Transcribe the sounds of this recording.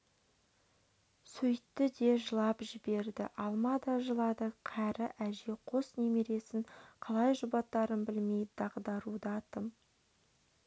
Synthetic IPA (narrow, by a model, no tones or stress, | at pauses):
sɵjt̪ːɪd̪e̞ʒəlˠɑpʒɪbe̞ɾd̪ɪ̰ʔɑlˠmɑd̪ɑʒəlˠɑd̪əqʰæɾɪʔæʒe̞qʰo̞snemeɾe̞sɪŋqʰɑlˠɑjʒʊbɑt̪ːɑɾənbɪlme̞jd̪ɑʁd̪ɑɾud̪əɑt̪əm